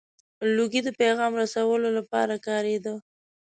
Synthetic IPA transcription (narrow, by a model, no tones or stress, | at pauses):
luɡid̪əpeɣɑmɾasawəlolapɑ̰ɾakɑɾed̪ə